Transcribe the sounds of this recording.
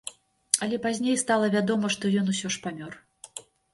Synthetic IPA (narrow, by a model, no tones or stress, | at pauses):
ɐlʲɛpazʲnʲejst̪alˠɐvʲad̪ɔmɐʂt̪ɔjɔnusʲɔʂpamʲɔr